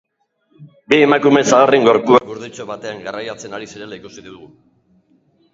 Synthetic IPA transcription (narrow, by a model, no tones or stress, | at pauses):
bie̞makume̞saɣariŋɡoɾpuaɡuɾðit͡soβat̪e̞aŋɡarajat͡se̞naɾisiɾe̞laikusiðiðuɣu